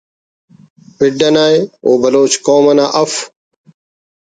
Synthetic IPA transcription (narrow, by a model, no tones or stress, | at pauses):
pɪɖːɐnaːeoːbɐloːt͡ɕkoːmɐnaːʔɐf